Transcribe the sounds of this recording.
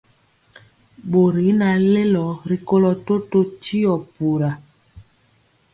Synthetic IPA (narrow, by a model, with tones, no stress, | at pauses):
ɓo˨ɾi˨˦na˨le˦lɔ˨ɾi˨ko˦lɔ˨to˦to˦t͡ʃi˦ɔ˨pu˨ɾa˨